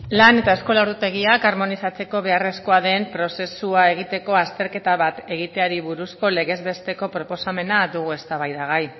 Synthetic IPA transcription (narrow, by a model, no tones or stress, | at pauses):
lane̞t̪aesko̞laoɾðut̪e̞ɣ̞iakaɾmo̞nisat͡se̞ko̞β̞e̞are̞sko̞aðe̞mpɾo̞se̞suae̞ɣ̞it̪e̞ko̞ast̪e̞ɾke̞t̪aβat̪e̞ɣ̞it̪e̞aɾiβuɾusko̞le̞ɣe̞zβe̞st̪e̞ko̞pɾo̞po̞same̞nad̪uɣ̞ue̞st̪aβajðaɣ̞aj